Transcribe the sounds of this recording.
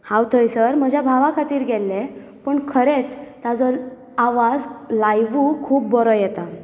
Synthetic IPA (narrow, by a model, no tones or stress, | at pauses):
hãwt̪ʰəjsəɾm̤əd͡ʑʱjabʱaʋakʰat̪iːɾɡʱɛlːe | pəɳkʰəɾet͡st̪ad͡zɔ | aʋad͡zlajʋukʰuːp̚bɔɾɔjɛt̪a